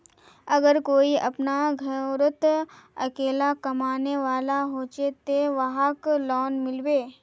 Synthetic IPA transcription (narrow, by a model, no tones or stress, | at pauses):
ɐɡəɾkoːiɐ̰pnaɡʱəɾət̪ | ɐkeːlakɐmaːneʋaːlaɦoːt͡ʃet̪eʋɐɦaklɔːnmɪlweː